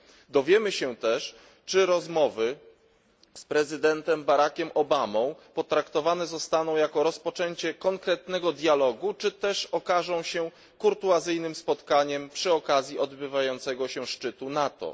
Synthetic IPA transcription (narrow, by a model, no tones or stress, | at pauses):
d̪ɔvʲjɛmɘɕɛt̪ɛʂ | t͡ʂɘɾɔzmɔvɘ | spɾɛzɘd̪ɛnt̪ɛmbaɾakʲɛmʔɔbamɔ̃w̃pɔt̪ɾakt̪ɔvanɛzɔst̪anɔ̃w̃jakɔɾɔspɔt͡ʂɛɲt͡ɕɛkɔŋkɾɛt̪nɛɡɔd̪ʲjalɔɡut͡ʂɘt̪ɛʂɔkaʐɔ̃w̃ɕɛ | kuɾt̪uazɘjnɘmspɔt̪kaɲɛmpʂɘɔkazʲjiʔɔd̪bɘvajɔnt̪sɛɡɔɕɛʂt͡ʂɘt̪unat̪ɔ̰